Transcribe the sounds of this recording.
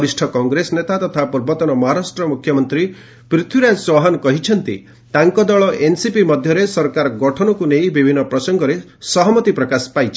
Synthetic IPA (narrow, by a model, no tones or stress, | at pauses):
ɾisʈʰɔkɔŋɡɾesɔnet̪at̪ɔt̪ʰapuɾbɔt̪ɔnɔmɔɦaɾasʈɾɔmukʰjɔmɔnt̪ɾi | pɾit̪ʰuɾad͡ʒswɔɦanɔkɔɦit͡ʃʰɔnt̪ḭ | t̪aŋkɔd̪ɔɭɔʔensipimɔd̪ʱjɔɾesɔɾkaɾɔɡɔʈʰɔnɔkunej̃bibʱinːɔpɾɔsɔŋɡɔɾe | sɔɦɔmɔt̪ipɾɔkaspajt͡ʃʰi̥